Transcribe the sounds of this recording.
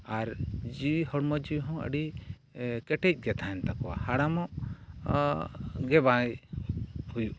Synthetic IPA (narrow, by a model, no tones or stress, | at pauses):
aɾd͡ʒiwihɔɽmɔd͡ʒiwɦɔ̃ə̰ɖi | kɛʈɛc̚ˀɡɛt̪ʰaɛnt̪akɔwa̰haɽamɔʔ | ɡɛbãj | hujuʔ